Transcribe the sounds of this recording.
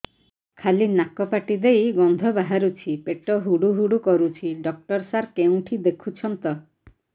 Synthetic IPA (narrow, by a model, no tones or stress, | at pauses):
kʰalinakɔpaʈid̪ejɡɔnd̪ʱɔbaɦaɾut͡ʃʰipeʈɔɦuɽuɦuɽukɔɾut͡ʃʰiɖɔk̚ʈɔɾsaɾkeũʈʰid̪ekʰut͡ʃʰɔnt̪ɔ